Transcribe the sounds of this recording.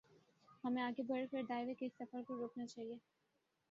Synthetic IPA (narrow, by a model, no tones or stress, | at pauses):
hɐmẽaːɡebʱɐɽkəɾɖaːɪʋekeɪsɐfəɾkoɾoːknat͡ʃaːɦieː